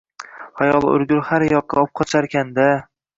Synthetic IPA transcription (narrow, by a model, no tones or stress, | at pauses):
hajɒlˠʊ̰ɾɡʲʊɾhaɾjɒqːɑɒp̚qʰɒt͡ʃʰaɾkʲʰand̪a